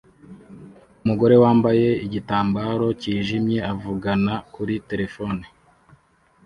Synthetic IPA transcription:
umuɡo̞ɾe̞waːmbaje̞iɟitaːmbaːɾo̞ciːʒimɲe̞avuɡanakuɾite̞ɾe̞fo̞ni

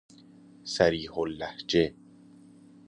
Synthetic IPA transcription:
sæɾiːholːæhd͡ʒe

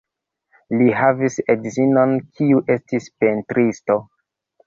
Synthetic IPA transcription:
liɦavisedzino̞nkʰiuʔe̞stispentɾisto

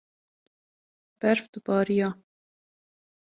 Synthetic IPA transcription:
b̥ɛɾfd̪ubɑːɾijɑː

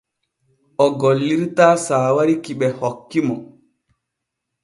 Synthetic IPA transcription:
ʔɔɡɔlːiɾtaːsaːwaɾikiɓɛhɔkːimɔ

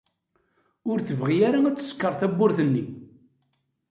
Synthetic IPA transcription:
ʊɾθəvʁijaɾaæt͡sːə̥skːəɾˤθæbːʊɾθənːi

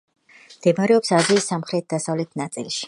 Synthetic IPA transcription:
md̪̥ɛmaɾɛɔpsaziːsːamχɾɛt̪̚d̪asavlɛt̪ʰnat̪sʼḭlˠʃi̥

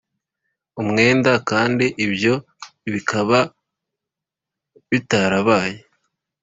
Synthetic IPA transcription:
umŋe̞ːndakaːndiʔibjo̞ | βikʰaβa | βitaɾaβaːje

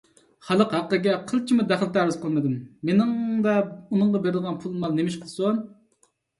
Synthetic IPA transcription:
χɑlˠəqhæqːəɡʲɛqʰəlˠt͡ʃʰimud̪æχlˠt̪æɾɪz̥qʰəlˠmɨd̪umːenɪŋd̪ɛunɨɴʁɑbeɾɪd̪əʁɑnpʰulˠmɑlˠnemɪʃqʰəlˠson

